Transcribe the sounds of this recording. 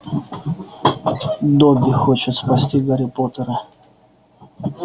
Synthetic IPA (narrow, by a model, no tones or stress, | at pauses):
d̪obʲɪxot͡ɕɪt̪spɐsʲtʲiɡəɾʲɪpot̪əɾə